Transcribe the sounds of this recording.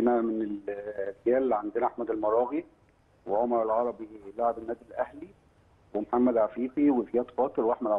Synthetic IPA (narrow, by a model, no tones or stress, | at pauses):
enæmeneldjæːlʕand̪enæʔaħmæd̪elmɑɾˤɑːɣi | weʕomɑɾˤelʕɑɾˤɑbilaʕebenːæːd̪ilʔæhli | wemoħamːæd̪ʕæfiːfiwezjæːt̪qɑːt̪eɾweʔaħmæd̪ʕ